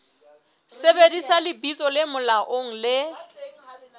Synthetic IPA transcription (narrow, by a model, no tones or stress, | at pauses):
sebedisalɪbit͡sʼɔlɪmʊlaʔoŋ̩lɪ